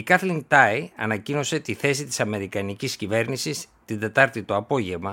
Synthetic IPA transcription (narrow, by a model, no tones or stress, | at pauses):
ikɐθliŋt̪ɐiɐ̰nɐcino̞se̞t̪iθe̞sit̪i̥sɐme̞ɾikɐniciscive̞ɾnisist̪ind̪e̞t̪ɐɾt̪it̪o̞ɐpo̞ʝe̞vmɐ